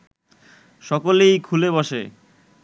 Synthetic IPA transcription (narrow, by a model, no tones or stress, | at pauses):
ʃɔkolejkʰulebɔʃḛ